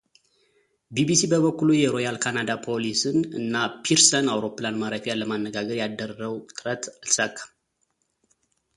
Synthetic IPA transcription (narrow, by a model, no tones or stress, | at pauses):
bibisibəβəkːulujɛɾo̞jalkʰanad̪apʰo̞lisɨnɨ̰nːapʰiɾsənawɾo̞pːlanmaɾəfijaləmanːəɡaɡəɾjad̪ːərəwt̪ʼɨɾət̪alsakʼːḁ